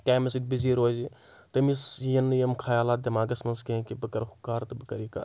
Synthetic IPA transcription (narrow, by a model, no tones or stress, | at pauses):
kaːmɐsid̪̚ʲbiziːɾoːzi | t̪ɐmisjɐnjɐmkʰaːjaːlaːt̪̚d̪ɐmaːɡɐsmɐnskɐɦkibɨkɐɾhʰu̥kaːɾt̪ɨbɨkɐɾika̰ː